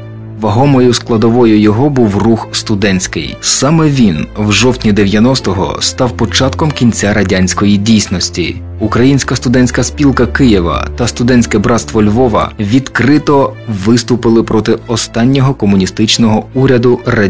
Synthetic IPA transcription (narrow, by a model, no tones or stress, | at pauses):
ʋɐɦɔmɔjʊsklˠɐd̪ɔʋɔjʊjɔɦɔbuwruxst̪ʊd̪ɛnʲsʲkɪ̰jsɑmɛʋʲinwʒɔwt̪ʲnʲid̪eʋʲjɐnɔst̪ɔɦɔ̰st̪ɑwpɔt͡ʃɑt̪kɔmkʲinʲt͡sʲaɾɐdʲanʲsʲkɔjidʲijsnɔsʲtʲḭ | ukɾɐjinʲsʲkɐst̪ʊd̪ɛnʲsʲkɐspʲilˠkɐkɪjɪʋɐ̰t̪ɐst̪ʊd̪ɛnʲsʲkɛbɾɑt̪st̪ʋɔlʲʋɔʋɐ̰ʋʲid̪kɾɪt̪ɔʋɪst̪ʊpɪlˠɪpɾɔt̪ɪɔst̪ɑnʲːɔɦɔkɔmʊnʲist̪ɪt͡ʃnɔɦɔuɾʲɐd̪ʊrɐ